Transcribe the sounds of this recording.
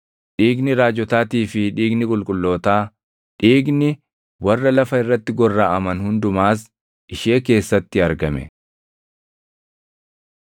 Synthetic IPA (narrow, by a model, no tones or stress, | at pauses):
ᶑiːɡnɪɾaːd͡ʒɔt̪aːt̪iːfɪᶑiːɡnɪkʼʊlkʼʊlːo̞ːt̪aː | ᶑiːɡnɪ | wɐrːɐlɐfɐɪrːɐt̪ːɪɡɔrːaːʔɐmɐnhʊnd̪ʊmaːs̬ | ʔɪʃeːke̞ːsːɐt̪ːɪɐɾɡɐmɛ̰